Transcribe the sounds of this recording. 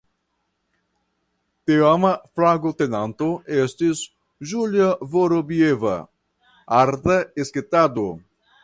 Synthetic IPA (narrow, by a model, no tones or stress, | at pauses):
t̪eamaflaɡot̪enantoestis | ʒuljavoɾobieva̰ | aɾt̪aesketado